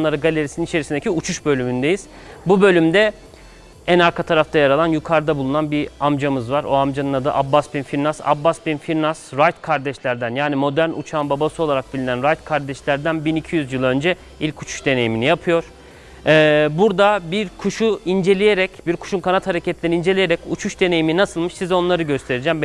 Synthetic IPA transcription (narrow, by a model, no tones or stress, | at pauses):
nlˠaɾɯɡalʲe̞ɾisininit͡ʃʰeɾisind̪ecʰiut͡ʃʰuʃbø̞lʲymynd̪e̞jiz̥ | bubø̞lʲymd̪ɛ | ænaɾkʰat̪ʰaɾaft̪ʰajaɾalˠanjukʰaɾd̪abulˠunanbiamd͡ʒamɯzvaɾo̞amd͡ʒanɯnad̪a̰ʔabːasbinfiɾnasa̰bːaspinfiɾnasɾajt̪kʰaɾd̪ɛʃlʲæɾd̪ænjaːnimo̞d̪æɾnʔut͡ʃʰanbabasɯo̞lˠaɾak̚bilʲinænɾajt̪kʰaɾd̪ɛʃlʲæɾd̪ænbinicʰijyzjɯlˠø̞nd͡ʒɛ | ilʲcʰut͡ʃʰu̥ʃd̪e̞ne̞jiminijapʰɯjo̞ɾ̥ | ɛːbuɾd̪abiɾkʰuʃuind͡ʒe̞lʲijeɾɛcbiɾkʰu̥ʃunkʰanat̪haɾecʰet̪ʰinʲɛɾind͡ʒe̞lʲijeɾɛcut͡ʃʰuʃd̪e̞ne̞jiminasɯlˠmɯʃsizo̞nlˠaɾɯɟø̞st̪ʰe̞ɾid͡ʒɛmb